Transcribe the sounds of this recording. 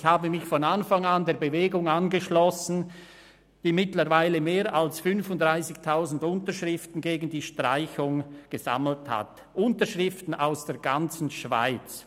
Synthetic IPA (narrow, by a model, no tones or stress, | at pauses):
çhaːbəmɪçfɔnanfaŋandeːɐbəveːɡʊŋanɡəʃlɔsn̩ | d̥iːmɪtləʁvaɪləmeːɾʔalsfʏnfʊntdʁaɪsɪçtʰaʊzn̩dʊntəʃʁɪftn̩ɡeːɡn̩diːʃtʁ̥a̰ɪçʊŋɡ̥əza̰ml̩tha̰t | ʔʊntəʃʁɪftn̩ʔaʊsd̥eːɐɡant͡sn̩ʃv̥a̰ɪt͡s